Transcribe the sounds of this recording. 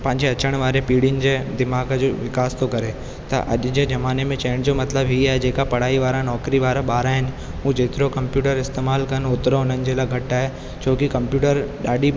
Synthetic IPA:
pɐ̃ɦɪ̃ɲd͡ʑeɐt͡ɕəɽ̃ʋaːɾepiːɽɪnɪ̆d͡ʑeːd̪ɪmaːɡd͡ʑoʋɪkaːst̪okɐɾe | t̪ɐ̰ʔɐ̰ʄd͡ʑezɐmaːnemẽt͡ɕɛ̃ːnd͡ʑomɐt̪ləbɦiaːɦed͡ʑeːkapɐɽ̤aːiʋaːɾãnɔːkɾiʋaːɾaɓaːɾaːɦɪnɪ̆ | ɦũd͡ʑeːt̪ɪɾokɐ̃mpjuːʈəɾɪst̪eːmaːlkɐnɦoːt̪ɪɾoɦʊnənɪ̆d͡ʑeːlaɡʱɐʈaːɦe | t͡ɕʰoːkikɐ̃mpjuːʈəɾɗaːɗi

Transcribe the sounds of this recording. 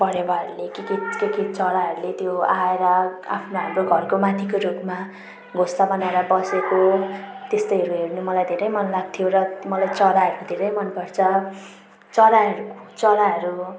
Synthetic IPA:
pʌɽewaɦʌɾulekekikekit͡sʌlaɦʌɾulet̪joaeɾʌa̰pʰnoɦamɾoɡʱʌrkomat̪ʰikoɾupma | ɡʱostabʌnaeɾʌbʌseko | t̪est̪ʌjɦʌɾuɦeɾnumʌlajd̪ʱeɾʌjmʌnlaɡ̚t̪ʰijoɾʌmʌlajt͡sʌɾaɦʌɾud̪ʱeɾʌjmʌnpʌrt͡sʰʌ | t͡sʌɾaʌɾut͡sʌlaɦʌɾu

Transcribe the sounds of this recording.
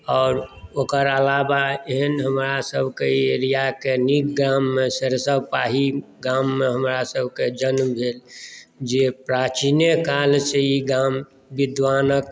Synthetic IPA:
ɔːɾokəɾəlabaeɦənɦəmɾasəbʱkeeɾijakenikɡɾamːesəɾsəbpaɦiɡamːeɦəmɾasəbʱked͡ʒənmbʱeːld͡ʒepɾat͡ʃinjekalseiɡam | bid̪ʋaːnək

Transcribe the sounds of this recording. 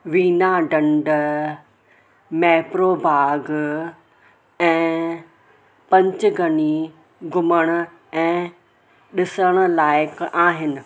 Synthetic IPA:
ʋiːnaɖɐ̃ɳɖ | mɛːpɾoːbʱaːɡ | ɛ̃ː | pɐ̃ɲt͡ɕɡʱɐni | ɡʊməɽ̃ʊ̆ | ɛ̃ː | ɗɪsəɽ̃ʊ̆laːɪkaːɦɪnɪ̆

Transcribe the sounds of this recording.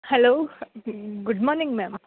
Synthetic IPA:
hɛloː | ɡʊɖmɔːɾnɪ̃ŋmɛm

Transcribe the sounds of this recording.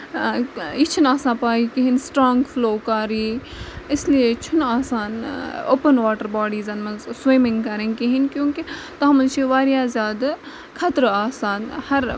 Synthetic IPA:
it͡ʃʰunaːsãːpaːikiɦinsʈɾaːŋɡfloːkaːɾiːɪsliet͡ʃʰunaːsaːno̰ːpənʋaːʈəɾbaːɖiːzɐnmɐzswiːmɪ̃ŋɡkɐɾẽnkiɦinkjõːkit̪ɐɦɐmɐnt͡ʃʰiʋaːɾijaːzʲjaːd̪ | kʰɐt̪ɾaːsaːnhɐɾ

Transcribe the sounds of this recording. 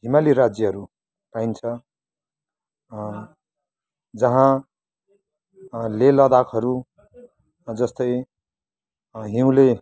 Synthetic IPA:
ɦimaliɾad͡zjʌɦʌɾu | paint͡sʰʌ | d͡zʌɦã | lelʌd̪akʰɦʌɾu | d͡zʌst̪ʌj | ɦiũle

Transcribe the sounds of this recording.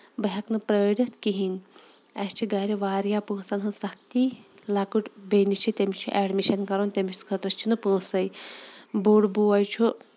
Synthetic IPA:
bɐɦɐknɨpɾəːɾʲɐt̪kiɦin | ɐst͡ʃʰiɡaːɾiʋaːɾjapɨːsɐnɦɨnsɐk̚ʰt̪ilakuʈbeːnit͡ʃʰit̪ʲemit͡ʃʰuʔɛːɖmiʃɐnkɐɾont̪ʲemiskʰət̪ɾɐst͡ʃʰinɨpuːsɐj | buːɽbuːɐjt͡ʃʰu

